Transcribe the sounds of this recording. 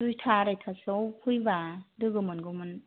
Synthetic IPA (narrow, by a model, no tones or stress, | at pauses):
ujtʰaɾajtʰasɔwkʰujbadɯɡɯmɯnɡɯwmɯn